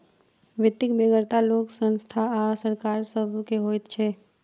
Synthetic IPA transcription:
ʋɪt̪ːɪkbeɡəɾt̪aloːksə̃nst̪ʰaasəɾkaːɾsəbʱkeɦoːt̪t͡ʃʰeː

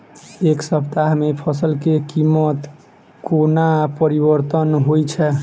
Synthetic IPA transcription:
eksəpt̪aɦmepʰəsəlkekimːət̪ | konapəɾibəɾt̪ənɦojt͡ʃʰɛ

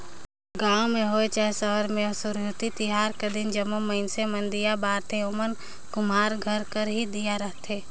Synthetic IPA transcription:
ɡãːwmẽɦoet͡ʃaːɦsəɦəɾmẽsʊɾut̪it̪ɪɦaːɾked̪ɪnd͡ʒəmoməɪnsemə̃nd̪ijabaːɾt̪eʊmən | kʊmaːɾɡʱəɾkəɾɦid̪ijaɾəɦt̪eː

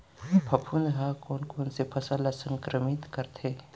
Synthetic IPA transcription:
pʰɐpʰunɦakɔːnkoːnsepʰɐsalasɐ̃ŋkɾəmɪt̪kɐɾt̪ʰe

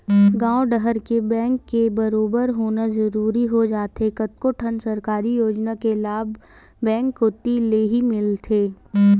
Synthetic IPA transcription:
ɡãːoɖəɦəɾkebɛ̃ːŋkːebɐɾoːbəɾɦoːnazɐɾuːɾiɦod͡ʒaːt̪ekɐt̪koʈʰənsɐɾkaːɾijoːd͡ʒnakelaːbː | ɛ̃ːŋkːot̪ileɦimɪlt̪ʰeː

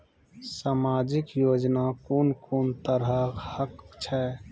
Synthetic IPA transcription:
saːmaːd͡ʒɪkjoːd͡ʒnakoːnkoːnt̪əɾəhəkt͡ʃʰɛː

